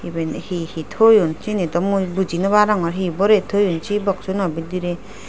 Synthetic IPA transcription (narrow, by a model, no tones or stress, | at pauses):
ibenhihitʰojɔnt͡ʃinedɔmubud͡ʒinɯβaɾaŋɔɾɦibɔɾetʰojunt͡ʃibak̚sunɔbidiɾe